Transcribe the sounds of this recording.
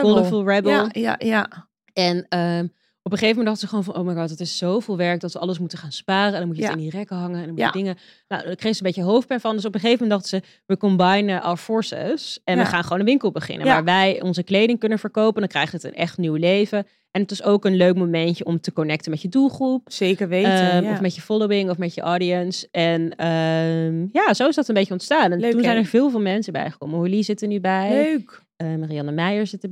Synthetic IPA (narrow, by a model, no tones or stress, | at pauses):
ɔləfulˠɹɛbəlˠ | ɛnə | ɔpəχejfəmɛndɑχdəzəχəʋownfɑnʔowmajɡɑːtɦətɪssowvɪːlˠʋɛɹk̚dɑtʋəɑləsmutəχaːnspaːrəɛndɑnmucəətɪnirɛkəɦɑŋəɛndɑnmuədɪŋə | na̰wdkreχsəmbejcəɦowf̚pɛnfɑndøs̬ɔpəχejfəmɛndɑχtəzə | ʋəkɔmbɑjnəʔa̰wəɹfɔɹsə̰sɛnʋəχaːnχəʋownənʋɪŋkəlˠbəχɪ̰nə̰ʋaːɹʋɛjɔnzəklejdɪŋkɵnənvəɹkowpəndɑ̃nŋkrɛ̰jχtətə̰nʔɛ̰χtnywlejvə | ʔɛnɦətɪsowkənløɥkmomɛncəɔmtəkɔnɛk̚təmɛtjədulˠχrupsejkəɹʋeɔffmɛtjəfɔlowɪŋɔfmɛtjəʔɑːdiənsɛnəmjaːzowɪzdɑtənmbejcəɔntstaːnɛntunzɛjnəɹvɪːlˠvɪːlˠmɛnsəbɛ̰jχə̥kɔməɦɔlizɪtənybɛjk | əmariɑnəmɛjəɹzɪtə